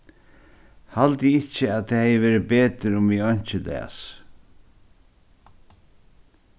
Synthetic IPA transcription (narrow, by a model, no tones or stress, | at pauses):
halt̪ɪɪt͡ʃəaðt̪ʰahɛjəʋeːɾɪbeːt̪ɪɾʊmɪɔɲ̥t͡ʃɪlɛ̰a̰s